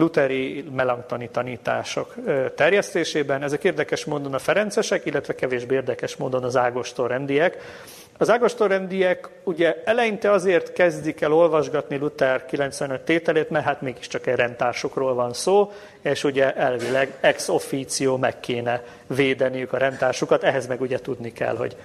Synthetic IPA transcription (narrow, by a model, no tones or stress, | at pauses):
lut̪ɛɾimɛlɒŋt̪ɒnit̪ɒniːt̪a̰ːʃo̰kt̪ɛrjɛst̪eːʃeːbɛnɛzɛkeːrd̪ɛkɛʃmoːd̪o̞nɒfɛɾɛnt̪sɛʃɛkilːɛt̪ʋɛkɛveːʒbeːeːrd̪ɛkɛʃmoːd̪o̞nɒzaːɡo̞ʃt̪orɛnd̪ijɛk | ɒzaːɡo̞ʃt̪orɛnd̪ijɛkuɟɛɛlɛjint̪ɛɒzeːrt̪kɛzd̪ikɛlo̞lvɒʒɡɒt̪nilut̪ɛrkilɛnt̪sʋɛnøt̪ːeːt̪ɛleːt̪mɛrɦaːt̪meːɡiʃt͡ʃɒkɛɟrɛnt̪aːrʃukroːlvɒnsoː | eːʃuɟɛʔɛlvilɛɡɛkso̞fiːt̪sijoːmɛ̰kːeːnɛ | veːd̪ɛnijykɒɾɛnt̪aːrʃukɒt̪ɛɦɛzmɛɡuɟɛt̪ud̪nikɛ̰lɦo̞̰ɟ